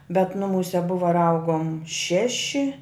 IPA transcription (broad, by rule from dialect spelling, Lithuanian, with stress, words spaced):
bʲɛt ˈnʊmuːsʲɛ ˈbʊʋoː ɪr ˈɐʊɡoːm ˈʃʲæːʃʲɪ